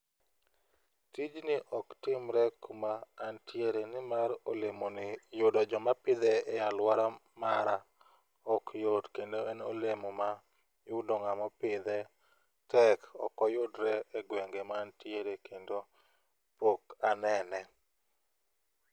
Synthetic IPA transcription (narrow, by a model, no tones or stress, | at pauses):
tid͡ʒnɪʔɔktɪmɾɛkumaːntjeɾenɪmaɾolemonɪjʊdɔd͡ʒɔmapɪd̪ɛːjalwaɾa | maɾa | ɔkjodkendoɛnolemoma | jʊdɔŋamɔpɪd̪ɛ | tɛkɔ̰kɔjʊdɾɛɛɡweŋɡemaːntjeɾekendo | pokanɛnɛ